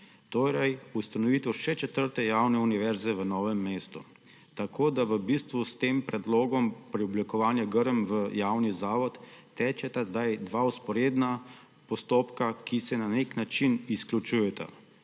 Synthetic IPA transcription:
t̪oːɾɛjust̪anɔʋiːt̪əʃɛt͡ʃɛt̪əɾt̪ɛjawnɛuniʋɛɾzɛʋənɔːʋɛmːeːst̪u | t̪akʰoːd̪aʋəbist̪ʋust̪eːmpɾɛd̪loːɡɔmpɾiɔblikɔʋaːnjaɡəɾəmʋəjawnizaːʋɔt̪ːɛːt͡ʃɛt̪azd̪ajd̪ʋauspɔɾeːd̪na | pɔst̪opkakisɛnaneknat͡ʃinisklʲut͡ʃujɛt̪ʰa̰

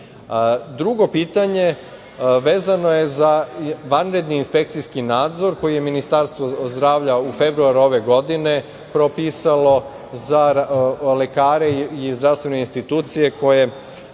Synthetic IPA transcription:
d̪ɾuɡo̞piːt̪aɲe̞ | ʋe̞ːzano̞je̞zaʋanɾe̞d̪niːnspe̞kt̪sijskinaːd̪zo̞ɾko̞jije̞minist̪aɾst̪ʋozd̪ɾaːʋʎaufe̞bɾuaɾuo̞ʋe̞ɡo̞d̪ine̞ | pɾopiːsalo̞ | za | le̞kaːɾeizd̪ɾaʋst̪ʋe̞neinst̪it̪uːt̪sije̞ko̞je̞

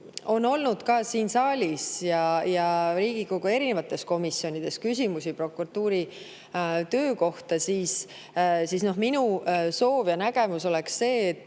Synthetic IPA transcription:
o̞no̞lnud̪̥kɑsiːnsɑːlʲisjɑjɑɾiːɡ̥ikoɡ̥ue̞ɾine̞vɑt̪ːˑe̞sko̞misjo̞nʲid̪̥e̞skysʲimusipro̞kuɾɑt̪ːˑuːɾi | t̪ø̞ːko̞ht̪ɑsiːs | sisno̞ɦminuso̞ːvjɑnæɡ̥e̞muso̞le̞ksse̞ːt̪ːˑ

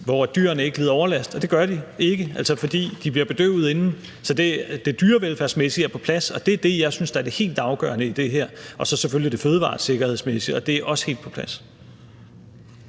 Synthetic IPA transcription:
ʋɒd̥y̰ːɐ̰ɐnəe̝ɡ̥ə̥liːð̞ˠɒʊɐlæsd̥ɒ̽d̥e̝ɡ̥ɶɐd̥ie̝ɡ̥əʔæl̰sɒfɒ̽d̥ḭːd̥ib̥liɐb̥e̝d̥ø̰ːʊð̞̩ˠe̝nn̩ | sɒ̽d̥e̝d̥e̝d̥yːɐʋelfæɐsmesiæɐpʰɒ̥̽pʰlæsɒ̽d̥e̝æɐd̥e̝jɑ̈ɪsynsd̥ɑæɐd̥e̝he̝̰ːld̥ɑ̈ʊɡ̥œɐnəid̥e̝ɦeɐ̰ʔɒ̽sɒ̽seføljid̥e̝føːð̞ˠəʋɑ̰̥̈ːse̝ɡ̥ɐhe̝ð̞̰ˠsmesi̥ɒ̽d̥e̝æɐʔɒ̽sə̥he̝̰ld̥̚pʰɒ̽pʰlæs

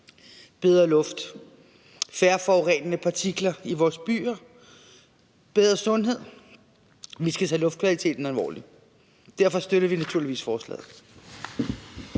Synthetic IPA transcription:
b̥eð̞ˠʁɐlɔ̽fd̥ | fæɐfɒʊʁɛ̰nənəpʰɑ̈t͡sʰiɡ̥lɐiʋɒːsb̥y̰ːɐ | b̥eð̞ˠʁɐsɔ̽nɦe̝ð̞̰ˠ | ʋisɡ̥æt͡sʰɛlɔ̽fd̥kʰʋælit͡sʰe̝̰ːd̥n̩ælʋɒ̰ːli | d̥æɐfɒ̽sd̥øɾɐʋinæt͡sʰuɐliʋḭːsfɒːslɛ̰ːð̩ˠ

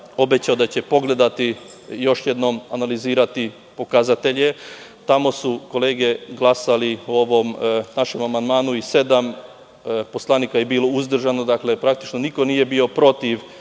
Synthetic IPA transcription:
o̞bet͡ɕaod̪at͡ɕe̞po̞ɡle̞d̪at̪ijo̞ʃje̞d̪no̞manaliziːɾat̪i | po̞kazat̪e̞ʎe̞t̪amo̞suko̞le̞ːɡe̞ɡlˠasalio̞ʋo̞mnaʃe̞mamand̪maːnuise̞d̪am | po̞slˠaniːkajebiːlo̞uzd̪r̩ʒano̞d̪aklepɾak̚t̪i̥t͡ʃno̞niko̞nije̞bio̞pɾo̞t̪iʋ

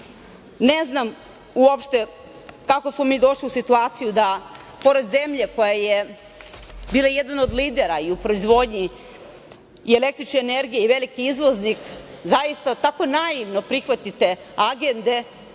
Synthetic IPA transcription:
neznam | uopʃt̪e̞ | kakosmomiːd̪o̞ʃliusit̪uaːt̪sijud̪a | po̞ɾe̞d̪ze̞mʎe̞ko̞jaje | biːlˠajed̪anod̪liːd̪e̞ɾaiupɾoizʋo̞d̪ɲi | iele̞k̚t̪ɾit͡ʃneːneɾɡijeiʋe̞likiizʋo̞znikzajist̪at̪ako̞naiʋno̞pɾixʋat̪it̪e̞ | aɡe̞nd̪e̞

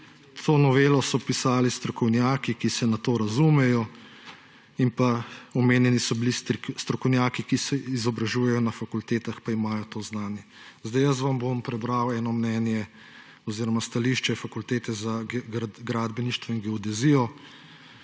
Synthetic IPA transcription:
t̪ʰoːnɔʋeːlɔsɔpisaːlist̪ɾɔkɔwnjaːkikisɛnat̪oːɾazumɛjɔ | impaɔmeːnjɛnisɔbilist̪ɾɔkɔwnjaːkikisɛizɔbɾaʒuːjɛjɔnafakult̪eːt̪axpaimaːjɔt̪oːznaːnjɛzd̪ajəs̬ʋambompɾɛbɾawɛːnɔmnɛːnjɛ | ɔziːɾɔmast̪aliːʃt͡ʃɛfakult̪eːt̪ɛza | ɡɾaːd̪bɛniʃt̪ʋɔinɡɛɔd̪ɛzijɔ

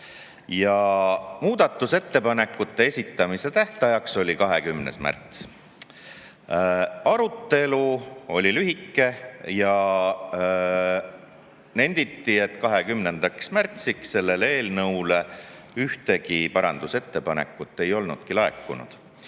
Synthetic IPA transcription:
jɑmuːd̪̥ɑt̪ːˑuse̞t̪ːe̞pɑne̞kːˑut̪ːe̞esʲit̪ːˑɑmise̞t̪æht̪ɑjɑkso̞lʲikɑɦe̞kymnḛsmæ̰rt̪s | ɑɾut̪ːe̞luo̞lʲilyɦikːe̞jɑ | ne̞nʲd̪̥it̪ːie̞t̪ːˑkɑɦe̞kymnend̪̥ɑksmært̪siksse̞lːe̞le̞ːlnɤwle̞ | yht̪e̞kipɑɾɑ̰nd̪̥use̞t̪ːe̞pɑnḛkːˑut̪ːˑe̞jo̞lnud̪̥kilɑḛkːˑunṵd̪̥

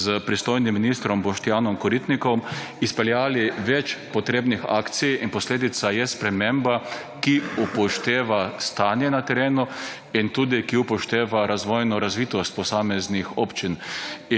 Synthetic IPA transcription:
zəpɾist̪ojnimːinist̪ɾɔmbɔʃt̪jaːnɔmkɔɾit̪nikɔmispɛljaːliʋɛt͡ʃpɔt̪ɾeːbnixa̰ːkt̪sijinpɔsleːd̪it̪sajɛspɾɛmemba | kiupɔʃt̪eːʋast̪aːnjɛnat̪ɛɾeːnu | int̪uːd̪ikiupɔʃt̪eːʋaɾazʋɔjnɔɾazʋiːt̪ɔst̪̚pɔsaːmɛznixɔːpt͡ʃin

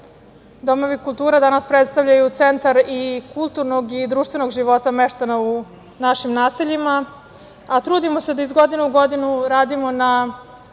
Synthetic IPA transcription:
d̪o̞mo̞ʋikulˠt̪uːɾad̪anaspɾet̪st̪aʋʎajut̪sent̪aɾikulˠt̪uɾnoɡid̪ɾuːʃt̪ʋe̞no̞ɡʒiʋo̞t̪ameʃt̪anau | naʃimnaːseʎimaː | t̪ɾuːd̪imose̞d̪aizɡo̞d̪inuuɡo̞d̪inuɾaːd̪imo̞na

